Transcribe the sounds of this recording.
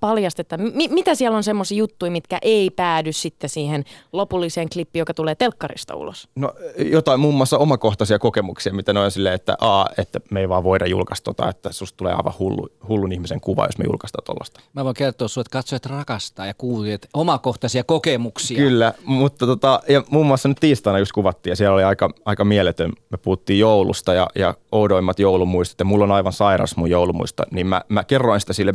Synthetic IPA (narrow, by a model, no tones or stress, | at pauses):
pɑljɑst̪et̪ːɑmmimit̪æsiælːonsemːosiːjut̪ːuimit̪kæʔeipæːdyssit̪ːesiːhenlopulːiseːŋklipːijokɑt̪uleːt̪elkːɑrḭst̪ɑ̰ṵlo̰sno̰jot̪ɑimumːuɑsːɑomɑkoht̪ɑsiɑkokemuksiɑmit̪ænoinsilːḛːet̪ːæ̰ʔɑːet̪ːæmeiʋɑːʋʋoiɾɑjṵlkɑst̪o̰t̪ɑ̰ːet̪ːæsustt̪ulḛːɑ̰iʋɑ̰hulːṵhulːunihmiseŋkuʋɑ̰ːjo̰smḛjṵlkɑst̪ɑ̰ːt̪o̰lːɑ̰st̪ɑ̥mæʋoiŋkert̪oːssuet̪kɑt̪soeɑt̪rɑkɑst̪ɑːjɑkuːiet̪omɑkoht̪ɑsiɑkokemuksikylːæmut̪ːɑt̪ot̪ɑjɑmumːuɑsɑnyt̪t̪iːst̪ɑinɑjust̪̚kuʋɑt̪ːiːjɑsiæloliɑikɑɑikɑmielet̪ønmepuhut̪ːiːjjoulṵst̪ɑjɑ̰jɑ̰oudoimːɑt̪joulumuist̪oe̥t̪jɑmulːonɑiʋɑnsɑirɑ̰smujjoulumṵist̪ɑ̰niːmmæ̰mækerːoinsi̥t̪æsilːe